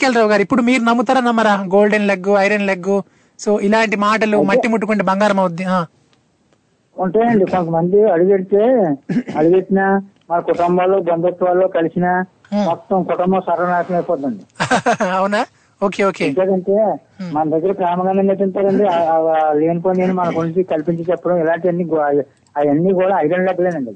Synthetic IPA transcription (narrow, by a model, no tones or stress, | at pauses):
keːlɾɐʋɡaːɾipːuɽumiːɾunɐmːut̪aːɾɐnɐmːɐɾaːɡo̞ːlɖenlɐɡːuɐjɾɐnlɐɡːu | soːʔilaːɳʈimaːʈɐlumɐːimuʈːukuɳɖibɐŋɡaːɾɐmɐw̪d̪ːiɦaː | uɳʈaːjɐɳɖikonk̪ɐmɐnd̪iɐɽuɡeɽit̪eːɐɽuɡeʈːinɐ | mɐlɐkɔʈɐmbaːloːbɐnd̪ɐt̪ːʋaːlːoːkɐlisinɐ | mɔt̪ːɐmkɔʈɐmbɐsɐɾːɐnaːkɐmɐjpɔːd̪ːɐɳɖi | ɐwuna | oːkeːoːkeːt͡ʃaːɾɐɳʈeː | mɐnɐd̪ɐɡːɐɾɐpɾaːmɐɡɐnɐnet̪unt̪aːɾɐɳɖileːniponeːnumɐnɐkuniɲt͡ʃikɐlpiɲt͡ʃɐt͡ʃɛpːɐɽɐmɛlaːɳʈiɐnːiɡ | aɐnːiːɡuːɽaːɐjd̪ɐnlɛːkɐleːnɐɳɖi